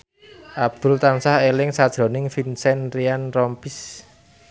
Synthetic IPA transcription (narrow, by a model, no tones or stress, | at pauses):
ʔab̚d̪̥ʊ̤lt̪ansahelɪŋsad̥ʒ̥ɾɔ̤nɪŋfinsɛnrianrɔmpis